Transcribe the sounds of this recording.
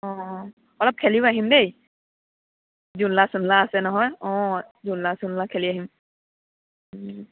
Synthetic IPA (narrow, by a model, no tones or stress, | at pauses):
ɔ̃ | ɔlɔp̚kʰeliʊaɦimdej | zunlasʊnlaːsɛnɔɦɔjɔ̃zunlasunlakʰɛliaɦim